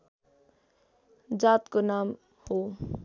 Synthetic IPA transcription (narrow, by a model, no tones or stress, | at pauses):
d͡zaːt̪konaːm | ho